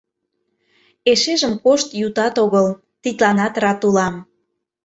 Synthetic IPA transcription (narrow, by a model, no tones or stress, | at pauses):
eʃeʒəmkoʃt̪jut̪ɑt̪oɣəl | t̪it̪lɑnɑt̪rɑt̪ulɑm